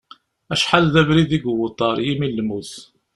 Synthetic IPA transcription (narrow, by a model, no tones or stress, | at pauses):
æʃħalðævɾiðiɡwət̪ˤːɑɾˤjimilːmuθ